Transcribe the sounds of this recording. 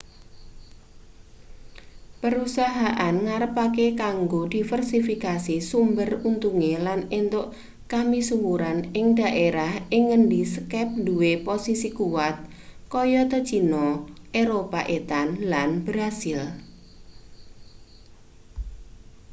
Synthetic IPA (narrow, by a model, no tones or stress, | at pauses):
pəɾusaɦaʔanŋaɾəpakekaŋɡod̥ifərsifikasisumbərunt̪uŋelanent̪ʊʔ | kamisumuɾanɪŋd̥a̤ʔeɾahɪŋːəndisəkɛp̚nduweposisikuwat̪̚ | kɔjɔt̪ə̥t͡ʃinɔʔeɾopaʔet̪anlanb̥ɾasɪl